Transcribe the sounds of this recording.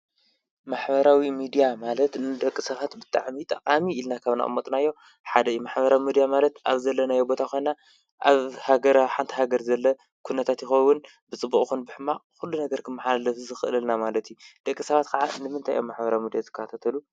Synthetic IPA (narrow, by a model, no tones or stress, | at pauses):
maħbɐɾawimid̪ijamalɐt̪nɨd̪ɐkʼːɨsɐβat̪bɨt̪ʼa̰ʕmit̪ʼɐqʼamiːlnakʰaβna̰ʔɨ̰mːot̪ʼnajːo̞ | ħad̪ɐjimaħbɐɾawimid̪ijamalɐt̪ʔaβzɐlːɐnajobo̞t̪ʰakojna | ʔaβhaɡɐɾaħant̪ʰi̥ɦaɡɐɾzɐlːɐ | kʰunɐt̪ʰat̪jɪxɐwːʊn | bɨt͡sʼɨbːuχʼxunbɨħɨmːaxulːunɐɡɐɾkʰɨmːaħalalɐfzɨxɨʔɨlɨlnamalɐt̪jud̪̥ɐkʼːisɐβat̪kʰɐʕanɨmɨnt̪ʰajʔo̰mːaħbɐɾawimid̪ijazɨkʰːat̪ʰat̪ʰɐlu